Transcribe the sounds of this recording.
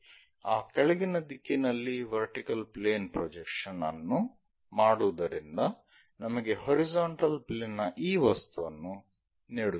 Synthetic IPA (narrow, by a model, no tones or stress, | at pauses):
aːkɛɭɐɡinɐd̪ikːinɐlːiʋɐɾʈikɐlpleːnpɾod͡ʒekʂɐnɐ̰nːu | maːɽuʋɐd̪ɐɾind̪ɐ | nɐmɐɡe̞ɦoɾizaːɳʈɐlpleːnːɐʔiːʋɐst̪uʋɐnːu | niːɽu